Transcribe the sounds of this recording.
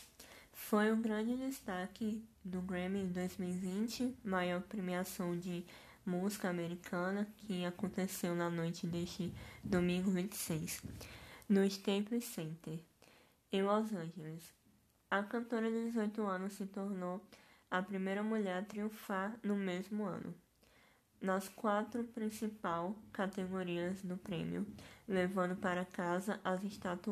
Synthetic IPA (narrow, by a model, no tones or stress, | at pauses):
fojʊɡɾɐ̃d͡ʒɪd̪ɪst̪akɪd̪ʊɡɾẽmid̪ojzmiwivĩt͡ʃɪmajɔɾpɾemiasɐ̃w̃d͡ʒɪ | muzikɐameɾikʰɐ̃nɐkʰɪakõt̪esewnɐnojt͡ʃɪd̪eʃt͡ʃɪd̪omĩŋɡʊvĩt̪ɪ̥sejs | nʊst̪ẽpʊsẽnt̪eɾ | ẽlɔzɐ̃ʒelɪs | ɐkɐ̃nt̪oɾɐd̪ɪd̪ɪzojt̪ʊɐ̃nʊsːɪt̪oɾnowɐpɾimejɾɐmuʎɛɾt̪ɾiũfaɾnʊmezmʊɐ̰̃nʔʊ̰ | nɐskwat̪ɾʊpɾĩsipawkat̪eɡoɾiɐzd̪ʊpɾḛ̃mḭʊlevɐ̃nd̪ʊpaɾɐkazɐʔɐzɪʃt̪at̪